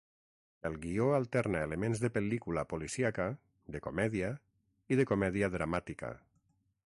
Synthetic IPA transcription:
elˠɣioalˠt̪ɛɾnaelemẽnzðəpelikulapolisiaka | d̪ekomɛðia | iðekomɛðiaðɾamat̪ika̰

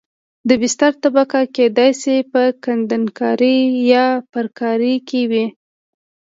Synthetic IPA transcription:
d̪əbɪst̪aɾt̪abakaked̪ɑjsepəkand̪ankɑɾijɑpəɾkɑɾikewi

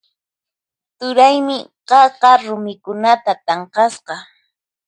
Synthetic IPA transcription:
t̪ʊɾajmɪɢɑqɑɾʊmɪkʊnat̪at̪ɑɴqɑsqɑ

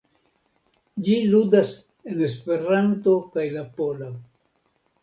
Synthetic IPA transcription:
d͡ʒiludas | e̞ne̞spe̞ɾanto̞kajlapo̞lo

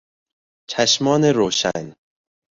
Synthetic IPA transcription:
t͡ʃʰæʃmɒːneɾoːʃæ̰n

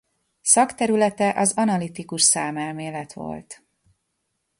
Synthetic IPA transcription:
sɒkt̪ɛɾylɛt̪ɛʔɒzɒnɒlit̪ikuʃsaːmɛlmeːlɛt̪ʋo̞̰lt̪

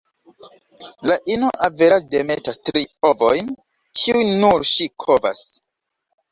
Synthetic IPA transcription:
laʔinoʔaveɾademe̞tastɾiovojn | kʰiujnuɾʃikʰo̞va̰s

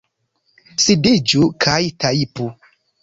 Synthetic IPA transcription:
sidid͡ʒukʰajtʰaipu

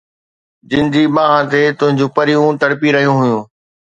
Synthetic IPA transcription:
d͡ʑɪ̃nɪ̆d͡ʑiɓãːɦãt̪et̪ʊ̃ɦɪ̃ɲd͡ʑũːpɐɾijũt̪ɐɽpiɾɐɦijũɦʊjũː

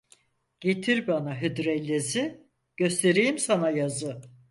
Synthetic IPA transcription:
ɟ̥e̞t̪ʰiɾbanaɦyd̪ɾɛlʲːezi | ɟ̥ø̞st̪ʰe̞ɾijimsanajazɯ

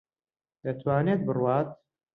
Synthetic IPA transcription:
d̪ɐt̪ʰwaːneːt̪̚bɨrwaːt̪̚

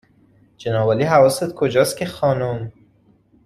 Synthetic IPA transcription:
d͡ʒenɒːbɒːliːɦævɒːsed̪̚kʰod͡ʒɒːst̪̚cʰʲexɒːnom

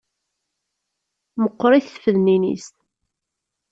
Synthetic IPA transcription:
məqːɾˤiθθfəðninḭst̪

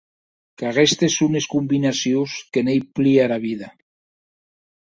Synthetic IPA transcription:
kaɣest̪esuneskumbinasjuskenejpliaɾaβiða

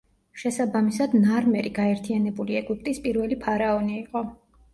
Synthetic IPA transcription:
ʃɛsabamisad̪naɾmɛɾiɡaɛɾt̪ʰianɛbuliɛɡup̚ʼt̪ʼispʼiɾvɛlipʰaɾaɔniːqʼɔ

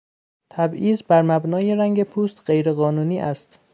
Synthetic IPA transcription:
t̪ʰæbʔiːzbæɾmæbnɒːjeɾæŋɟe̞pʰuːst̪ɢe̞jɾe̞ɣɒːnuːniːʔæst̪

